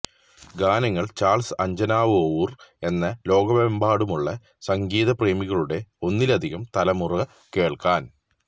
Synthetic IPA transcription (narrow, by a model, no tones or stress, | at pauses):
ɡaːnɐŋːɐɭt͡ɕaːrɭsɐɲd͡ʑɐnaːʋɨowure̞nːɐlo̞ːɡɐbembʱaːɽumuɭːɐ | sɐŋɡiːðɐpreːmiɣɐɭuɽe̞o̞nːilɐd̪ʱiɣɐmt̪ɐlɐmurɐɐ | ke̞ːɭkaːn